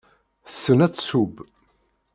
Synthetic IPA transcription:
θə̥sːənæt͡sːsub

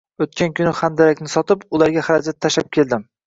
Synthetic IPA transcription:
ot̪kʲʰankʲʰʊnɪχand̪aɾakʲnɪsɒt̪ɪpʊlaɾɡʲahaɾad͡ʒat̪ʰːaʃap̚kʲʰe̞ld̪ɪm

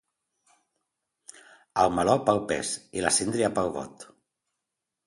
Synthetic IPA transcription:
alˠmalɔpawpɛ̰silasind̪ɾiapawβɔ̰t̪

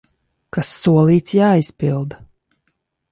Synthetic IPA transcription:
kasːuɔlˠiːt̪sjaːispilˠd̪

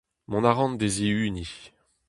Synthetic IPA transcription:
mɔ̃naʁɑ̃nd̪eziyːni

